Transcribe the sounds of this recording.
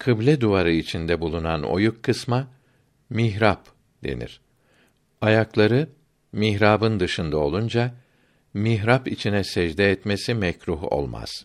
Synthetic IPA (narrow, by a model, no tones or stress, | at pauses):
kʰɯblʲɛd̪uvaɾɯit͡ʃʰind̪ɛbulˠunano̞̰jukʰːɯsma | miɦɾap | d̪e̞̰nḭɾ̥ | ajaklˠaɾɯ | miɦɾaːbɯnd̪ɯʃɯnd̪ao̞lˠund͡ʒa | miɦɾapit͡ʃʰinɛsɛd͡ʒd̪ɛːt̪mesimɛcɾuɦo̰lˠma̰z̥